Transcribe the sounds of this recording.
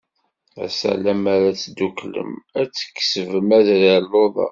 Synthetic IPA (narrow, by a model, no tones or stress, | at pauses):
æ̰sæ̰læmæɾæt͡sːd̪ːuklə̰mæt͡sːə̥kːsəvəmæðɾaloðˤɑ̰